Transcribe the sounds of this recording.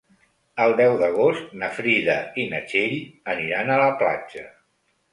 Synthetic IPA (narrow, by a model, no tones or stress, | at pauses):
əlˠd̪ɛwðəɣ̞ost̪nəfɾiðəinət͡ʃeʎəniɾanələpla̰d͡ʒə